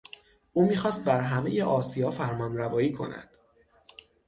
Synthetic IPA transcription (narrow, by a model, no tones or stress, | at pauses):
ʔuːmiːxɒːst̪̚bæɾɦæme̞je̞ʔɒːsijɒːfæɾmɒːnɾævɒːiːkʰo̞̰næ̰d̪̥